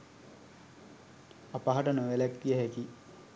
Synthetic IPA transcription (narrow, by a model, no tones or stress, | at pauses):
apaɦaʈənoʋelækːijəɦeki